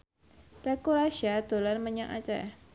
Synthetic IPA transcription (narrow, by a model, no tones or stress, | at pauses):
t̪ekuɾaʃiad̪̥o̤lanməɲaŋa̰t͡ʃɛ̰